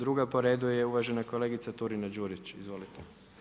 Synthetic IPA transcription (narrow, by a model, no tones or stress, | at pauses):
ɾuɡapo̞ɾed̪uje̞uʋaʒe̞nako̞leɡit̪sat̪uɾinad͡ʒuːɾit͡ʃizʋo̞lit̪ʰe